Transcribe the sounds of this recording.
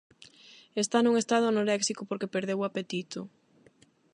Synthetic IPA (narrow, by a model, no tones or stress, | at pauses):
est̪anuŋest̪að̞ʊnoɾɛksikopoɾkepeɾðewapet̪it̪ʊ